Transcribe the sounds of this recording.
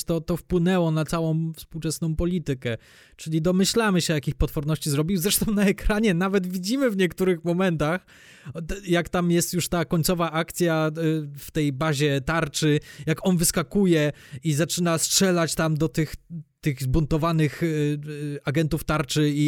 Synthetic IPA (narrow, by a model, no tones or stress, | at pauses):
t̪ɔt̪ɔfpwɘnɛwɔnat̪sawɔ̃w̃fspuwt͡ʂɛsnɔ̃w̃pɔlʲit̪ɘkɛ | t͡ʂɘlʲid̪ɔmɘɕlamɘɕɛjakʲixpɔt̪fɔɾnɔɕt͡ɕizɾɔbʲiwzɾɛʂt̪ɔ̃w̃naɛkɾaɲɛnavɛd̪vʲid͡ʑimɘvɲɛkt̪uɾɘxmɔmɛnt̪ax | jakt̪amjɛst̪juʂt̪akɔɲʲt̪sɔvaʔak̚t̪sʲjaft̪ɛjbaʑɛt̪aɾt͡ʂɘjakɔnvɘskakujɛizat͡ʂɘnastʂɛlat͡ɕt̪amd̪ɔt̪ɘxt̪ɘɣzbunt̪ɔvanɘx | aɡɛnt̪uft̪aɾt͡ʂɘi